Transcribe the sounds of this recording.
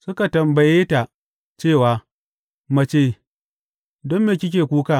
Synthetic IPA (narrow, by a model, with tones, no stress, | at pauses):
sʊ˦ka˨tɐ˨mbɐ˨jeː˦ta˨ | t͡ʃeː˦˨waː˨ | ma˨t͡ʃeː˦˨ | dɔ˦mːeː˨kʲɪ˦k̬ʲeː˨kʷuː˦kaː˦˨